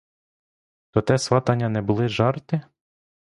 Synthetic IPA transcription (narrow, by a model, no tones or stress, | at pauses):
t̪ɔt̪ɛsʋɑt̪ɐnʲːɐnɛbʊlˠɪʒɑrt̪ɪ